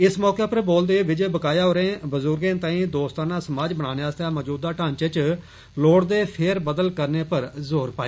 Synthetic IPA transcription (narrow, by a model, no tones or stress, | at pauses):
ɪsmɔːkeːpəɾboːld̪eːʋɪd͡ʒebəkaːjaːɦoːɾẽːbəzʊɾɡẽːt̪ãːĩːd̪oːst̪ãːnãːsəmaːd͡ʒbəɽ̃aːneːaːst̪ãːmɔːd͡ʒuːd̪aːʈãːɲt͡ʃt͡ʃ | loːɽd̪eːpʰɪɾbəd̪əlkəɾneːpəɾzoːɾpaːeː